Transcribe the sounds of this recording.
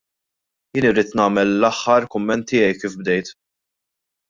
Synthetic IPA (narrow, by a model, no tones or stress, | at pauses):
jɪːniɾiːt̪nɐːmɛlːɐħːɐɾkʊmːɛnt̪ːɪːjɛjkːiːfb̚d̪ɛjt̪